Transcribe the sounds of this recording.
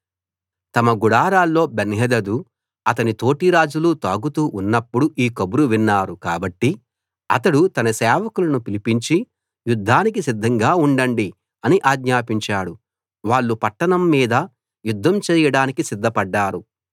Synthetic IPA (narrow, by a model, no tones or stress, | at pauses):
t̪ɐmɐɡuɽaːɾaːlːo̞ːbɐnɦɐd̪ɐd̪u | ɐt̪ɐnit̪o̞ːʈiɾaːd͡ʒulut̪aːɡut̪uːʔunːɐpːuɽuʔiːkobuɾuʋinːaːɾukaːbɐʈːi | ɐ̰t̪ɐɽut̪ɐnɐsɛːʋɐkulɐnupilipiɲt͡ʃi | jud̪ʱːaːnikisid̪ʱːɐŋɡaːuɳɖɐɳɖi | ɐniʔaːɡɲaːpiɲt͡ʃaːɽu | ʋaːɭːupɐʈːɐnɐmːiːd̪ɐ | jud̪ʱːɐmt͡ʃɛːjɐɽaːnikisid̪ʱːɐpɐɖːaːɾu